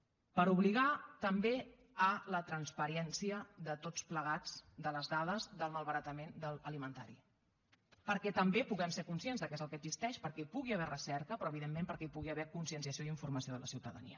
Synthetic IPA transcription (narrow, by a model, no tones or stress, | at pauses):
pəɾuβliɣ̞at̪əmbe | ələt̪ɾənspəɾɛnsiəðət̪ot͡spləɣ̞ad͡zd̪ələzðaðəzðəlˠməlˠβəɾət̪əmend̪əlˠəlimənt̪a̰ɾḭ | pəɾkɛt̪əmbepuɣɛmsekunsienzðəkɛzəlˠkəɡzist̪ɛʃpəɾkɛpuɣiəβɛrəsɛɾkəpɾɔəβiðemːẽmpəɾkɛipuɣiəβɛkunsiənsiəsioiɱfurməsioðələ̰siwt̪əðə̰nḭə